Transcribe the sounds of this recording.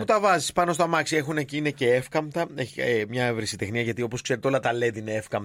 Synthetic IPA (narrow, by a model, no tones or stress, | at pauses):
put̪ɐvɐzispɐno̞st̪ɐmɐksie̞xuneciine̞ce̞efkɐmt̪ɐeemɲɐevɾisit̪e̞xniɐʝɐt̪io̞po̞skse̞ɾet̪o̞lɐt̪ɐle̞ðineefkɐmt̪